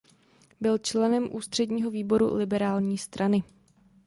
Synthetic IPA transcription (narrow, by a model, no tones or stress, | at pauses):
bɪlt͡ʃlɛnɛmʔuːst̪r̥ɛdɲiːɦo̞viːbo̞ɾṵlɪbɛɾaːlɲiːst̪ɾʔanɪ